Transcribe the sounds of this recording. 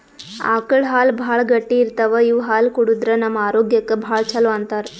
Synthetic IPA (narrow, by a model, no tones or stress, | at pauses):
a̰ːkɐɭɦaːlbʱaːɭɡɐʈːiːɾt̪ɐʋɐiʋɦaːlkuɽud̪ɾɐnɐmaːɾoːɡjɐkːɐbʱaːɭt͡ʃʰɐloɐnt̪ɐɾ